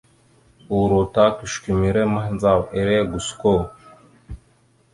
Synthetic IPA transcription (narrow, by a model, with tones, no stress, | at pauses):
u˨ɾo˨ta˦ku˨ʃki˨mi˨ɾe˦ma˦ɦnd͡za˨we˨ɾe˦˨ɡu˨sko˦˨